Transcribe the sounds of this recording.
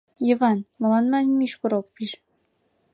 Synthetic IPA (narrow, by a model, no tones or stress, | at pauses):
jɤβɑnmɤ̆lɑnmɑnʲmiʃkoɾok̚piʃ